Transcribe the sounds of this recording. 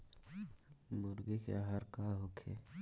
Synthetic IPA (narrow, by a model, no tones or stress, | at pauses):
mʊɾɡekḛaɦəɾkaɦokʰḛ